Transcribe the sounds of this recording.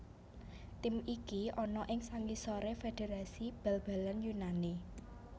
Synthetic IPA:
t̪ɪmikiʔɔnɔʔɪŋsaŋkisɔɾefed̥e̤ɾasib̥ɛlb̥a̤lanjunani

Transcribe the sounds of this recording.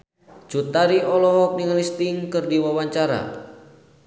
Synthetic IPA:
d͡ʒut̪aɾiɔlɔɦɔk̚niŋlist̪iŋkɨrdiwawaɲt͡ʃaɾa̰

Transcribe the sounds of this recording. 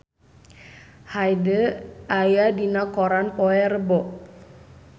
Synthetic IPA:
hajdəajadinakɔɾanpɔɛrəbɔʔ

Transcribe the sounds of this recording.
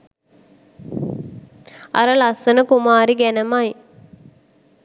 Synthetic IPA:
ɐ̰ɾəlɐsənəkumaːɾiɡænəmaj

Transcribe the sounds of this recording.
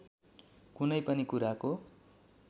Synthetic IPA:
kunʌjpʌnikuɾako

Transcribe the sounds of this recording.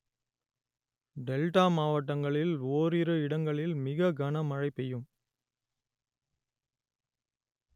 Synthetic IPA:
ɖɛlʈaːmaːʋɐʈːɐŋɡɐɭɪloːɾɪɾɯɪɽɐŋɡɐɭɪlmɪɣɐɡɐnɐmɐɻɐɪpːɛjɯm

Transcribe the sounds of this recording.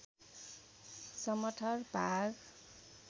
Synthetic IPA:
sʌmʌʈʰʌrbʱaɡ

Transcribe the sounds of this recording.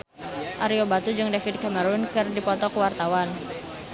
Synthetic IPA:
ʔaɾiobat̪ud͡ʒɨŋdafid̪̚kaməɾunkɨrdipɔt̪ɔkuwart̪awan

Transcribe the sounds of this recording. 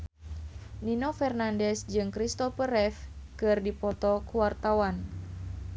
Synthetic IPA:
ninɔfɛrnandɛsd͡ʒɨŋkɾist̪ɔpəɾɛfkɨrdipɔt̪ɔkuwart̪awan

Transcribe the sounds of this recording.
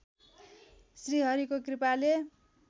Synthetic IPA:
sriɦʌɾikokripale

